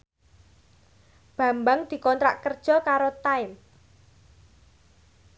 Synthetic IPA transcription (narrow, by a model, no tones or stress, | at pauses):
b̥ä̤mbaŋd̪̥i̤kɔnt̪ɾa̰ʔkərd̥ʒ̥ɔ̤kaɾot̪aɪm